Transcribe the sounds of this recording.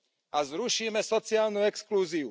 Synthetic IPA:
azɾuʃiːmɛsɔt͡siaːlnuɛkskluːziu

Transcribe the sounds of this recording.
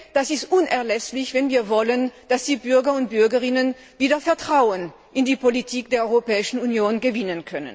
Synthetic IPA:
d̥asɪstʔʊnʔɛɐlɛslɪçv̥ɛnviːɐvɔlənd̥asz̥iːbʏɐɡɐʊnt̚b̥ʏɐɡəʁɪnən | viːdɐfɛɐtʁ̥aʊən | ʔɪndiːpolitʰiːk̚d̥eːɐʔɔʁopɛːɪʃn̩unjoːnɡəvɪnənkʰœnə̰n

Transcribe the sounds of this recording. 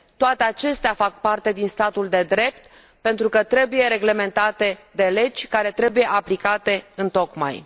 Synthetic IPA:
t̪oat̪eat͡ʃe̞st̪eafak̚part̪e̞d̪inst̪at̪uld̪e̞d̪ɾe̞pt̪ | pe̞nt̪ɾukət̪ɾe̞buje̞ɾe̞ɡle̞me̞nt̪at̪e̞d̪e̞le̞d͡ʒʲkaɾe̞t̪ɾe̞buje̞ʔaplikat̪e̞ɨnt̪o̞kma̰j

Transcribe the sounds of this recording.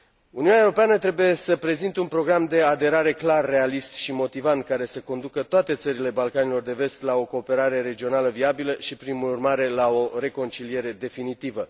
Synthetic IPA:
uniunʲaewɾo̞peanət̪ɾe̞buje̞səpɾe̞zint̪eunpɾo̞ɡɾamd̪e̞ad̪e̞ɾaɾe̞klarːe̞alist̪ʃimo̞t̪ivant̪̚kaɾe̞seko̞nd̪ukət̪oat̪e̞t̪səɾile̞balkanilo̞rd̪e̞ve̞st̪lao̞ko̞ːpe̞ɾaɾe̞ɾe̞d͡ʒio̞naləviabiləʃipɾimuurmaɾe̞lao̞ɾe̞ko̞nt͡ʃilije̞ɾe̞d̪e̞finit̪ivə

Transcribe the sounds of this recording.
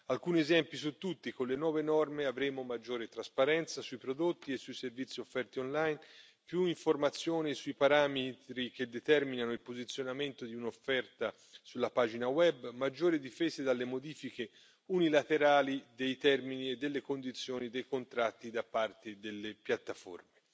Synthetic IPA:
alkuːniezɛmpisut̪ːut̪ːikonlenwɔːvenɔrmeavɾeːmomad͡ʒːoːɾet̪ɾaspaɾɛnt̪sasuipɾod̪ot̪ːiesːujservit̪sːiofːɛrt̪ionlajn | pjuiɱformat̪sːjoːnisuipaɾamet̪ɾik̟ed̪ːet̪ɛrminanoilpozit̪sːjonament̪od̪iunofːɛrt̪a | sulːapaːd͡ʒinawɛbmad͡ʒːoːɾid̪ifɛːzed̪alːemod̪iːfik̟e | unilat̪eɾaːlid̪ejt̪ɛrminied̪ːelːekond̪it̪sːjoːnid̪ejkont̪ɾat̪ːid̪apːart̪ed̪elːepjat̪ːafo̰rme

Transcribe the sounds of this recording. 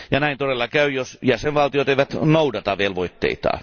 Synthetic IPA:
jɑnæˑint̪oɾelːɑkæˑyjosjæseʋʋɑlt̪ijot̪eˑiʋæt̪noudɑt̪ɑʋielʋoit̪ːḛit̪ɑ̰ː

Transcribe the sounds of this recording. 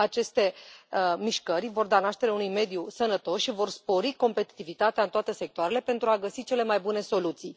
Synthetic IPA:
at͡ʃe̞st̪e̞ | miʃkərʲvo̞rd̪anaʃt̪e̞ɾeaunujme̞d̪jusənət̪o̞sʃivo̞rspo̞ɾiko̞mpe̞t̪i̥t̪ivit̪at̪eaɨnt̪oat̪e̞se̞k̚t̪oaɾe̞le̞pe̞nt̪ɾuaɡəsit͡ʃe̞le̞majbune̞so̞lut̪sij

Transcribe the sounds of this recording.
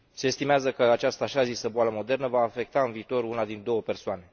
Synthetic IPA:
se̞ːst̪imeazəkəat͡ʃast̪əaʃazisəboaləmo̞d̪e̞rnəvaːfe̞k̚t̪aɨnviːt̪o̞runad̪ind̪o̞wəpe̞rsoane̞

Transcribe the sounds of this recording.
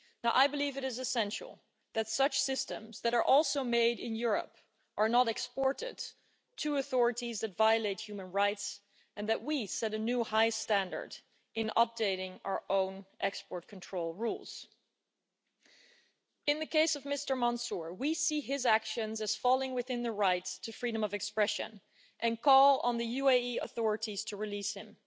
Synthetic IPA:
naʊʔaɪbəlivɨɾɨzɨsɛ̃nʃl̩ˠ | ðɨtsʌt͡ʃsɪstə̰̃mzðɨɾə˞ʔɔlˠsoʊmeɪɾɪ̰̃njʊɹə̰p | ʔə˞nəɾɛkspɔɹɾɪ̰d̥̚ | tʰɨəθɔɹɨɾizðɨtvaɪɨleɪt̚hjʉmɨ̃nɹaɪts | ɨ̃nðɨʔ̚wisɛɾɨnʉhaɪstæ̃ndə̰˞d | ʔɨ̃nʌ̰p̚d̥eɪɾɪ̃ŋa̰ə˞ʔõʊ̃nʔɛkspɔɹt̚kʰn̩tʰɹ̥oʊlˠɹṵlˠz̥ | ɨ̃nðɨkʰeɪsʌvmɪstə˞mɑ̃nsʊɹwisiɪzækʃɨ̃nzɨz̥fɑlˠɪ̃ŋwɨθɪ̃nðɨɹaɪttʰɨfɹiɾə̃mʌvɨkspɹɛʃɨ̰̃n | ʔɨ̃nkʰɔlˠə̰̃nðɨjʉeɪiə̰θɔɹɨɾiz̥tʰɨɹɨlishɪ̃m

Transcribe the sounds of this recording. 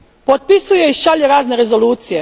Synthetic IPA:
pot̪̚pisuje̞iʃaʎeɾaːzneɾezoluːt̪sije

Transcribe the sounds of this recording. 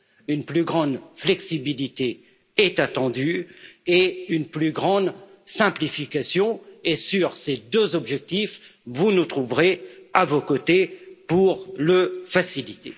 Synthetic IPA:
ynplyɡʁɑ̃d̪flɛksibilit̪e | ɛt̪at̪ɑ̃d̪yeynplyɡʁɑ̃d̪ | sɛ̃plifikasjɔ̃esyʁsed̪øzɔbʒɛk̚t̪ifvunut̪χuvʁeavokot̪epuʁləfasilit̪ḛ

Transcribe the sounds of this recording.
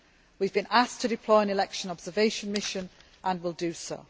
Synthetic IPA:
wivbĩnʔastʰədɪpʰl̥ɔɪə̃nɪlɛkʃə̃nɒbz̥əveɪʃə̃nmɪʃə̃n | ʔə̃nwɪlˠdəsoʊ

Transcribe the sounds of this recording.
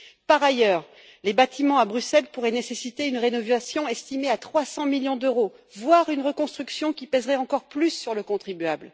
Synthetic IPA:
paʁajœːʁ | lebat̪ʰimɑ̃abʁysɛlpuʁɛnesesit̪eynʁenɔvasjɔ̃ɛst̪imeat̪χwasɑ̃miljɔ̃d̪øʁo | vwaʁynʁəkɔ̃st̪χyksjɔ̃kʲipɛzʁɛɑ̃kɔʁplysːyʁləkɔ̃t̪χibɥabl

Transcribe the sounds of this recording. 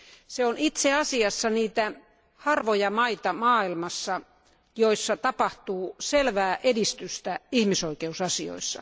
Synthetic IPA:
seonit̪seɑsiɑsːɑniːt̪æ | hɑrʋojɑmɑit̪ɑmɑːilmɑsːɑ | joisːɑt̪ɑpɑht̪uːselʋæːʔedist̪yst̪æihmisoikeusɑsio̰isːɑ̰

